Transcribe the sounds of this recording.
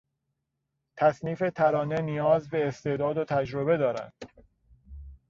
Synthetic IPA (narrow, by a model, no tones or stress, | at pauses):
t̪ʰæsniːfe̞t̪ʰæɾɒːne̞nijɒːzbe̞ːst̪e̞ːd̪ɒːd̪ot̪ʰæd͡ʒɾobe̞d̪ɒːɾæ̰nd̪̥